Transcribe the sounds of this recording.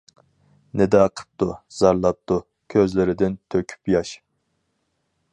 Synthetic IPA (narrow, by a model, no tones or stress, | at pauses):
nɪd̪ɑqʰə̥p̚t̪ʰuz̥ɑɾlˠɑp̚t̪u | kʲʰøzlɪɾɪd̪ɪnt̪ʰøkʲʰy̥pjɑʃ